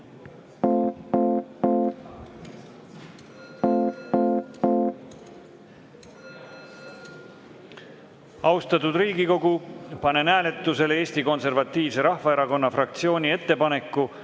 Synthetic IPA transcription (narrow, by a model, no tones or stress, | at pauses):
ɑwst̪ɑt̪ud̪riːɡiko̞ɡ̥upɑne̞næːle̞t̪ːˑuse̞lee̞ːsʲt̪iko̞nse̞rvɑt̪ːiːvse̞ɾɑhvɑe̞ɾɑko̞nːɑfrɑkt̪sio̞ːnʲie̞t̪ːe̞pɑne̞kːu